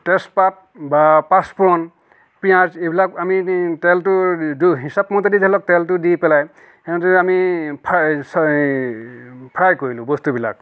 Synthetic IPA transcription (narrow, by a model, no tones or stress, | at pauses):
tɛspat̚bapaspuɹɔn | piãzejbilakamitɛltʊdɦisapmɔtedidɛlɔk̚tɛltʊdipɛlaj | ɛntɛamipʰs | pʰajkoɹilʊ̃bɔstubila̰k̚